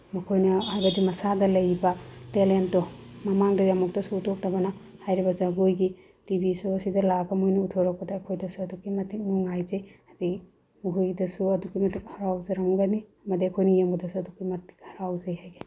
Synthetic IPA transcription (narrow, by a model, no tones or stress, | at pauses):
mɐkʰojnɐhajbɐdimɐsadɐlɐjbɐtelentːɔmɐmaŋdɐjɐmɐk̚tɐsuːtʰok̚tɐbɐnɐhajɾibɐzaɡojɡi | tibisoɐsidɐlaɡɐmojnutʰoɾak̚pɐdaːkʰojdɐsuɐdukimɐtik̚nuŋajzejɐdik | muɦujdɐsuɐdukimɐtik̚hɐɾawzɐɾɐŋɡɐniɐmɐdiɐkʰojnɐjembudɐsuɐdukːimɐti̥k̚hɐɾawzejhajɡe